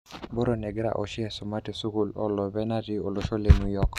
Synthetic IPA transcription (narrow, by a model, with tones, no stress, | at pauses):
bɔ˦ɾo˨nɛ˨ɡɾa̰˨ʔɔ˨ʃɪ˦ɛ˦˨sʊ˨ma˦ti˨su˦ku˦˨lɔ̰˦lɔ˨bɛ˦na˦ti˦o˨lo˨ʃo˦le˨mu˦jɔ˦k